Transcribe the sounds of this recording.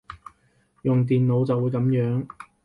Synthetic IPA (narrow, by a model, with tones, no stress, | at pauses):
jʊ˨ŋt̪̬iː˨nlo˨˧wt͡sɐ˨wːuː˨˧jkɐ˨˥mjœː˨˥ŋ